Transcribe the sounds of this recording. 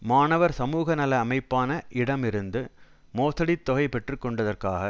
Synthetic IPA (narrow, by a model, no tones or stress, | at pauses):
maːnɐʋɐɾsɐmuːɣɐnɐlɐːmɐɪpːaːnɐʔɪɽɐmɪɾɯnd̪ɯ | moːsɐɽɪt̪ːɔɣɐɪpɛʈrɯkːɔɳɖɐðɐrkaːɣɐ